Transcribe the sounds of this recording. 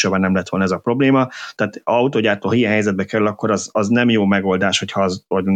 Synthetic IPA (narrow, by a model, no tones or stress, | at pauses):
obanɛmlɛt̪ʋo̞lnɛzɒpro̞bleːmɒt̪ɛːt̪ɒut̪oːɟaːt̪oːɦijɛɦɛjzɛd̪bɛkɛɾylɒkːo̞ɾɒzɒznɛmjoːmɛɡo̞ld̪aːʃho̞chɒzo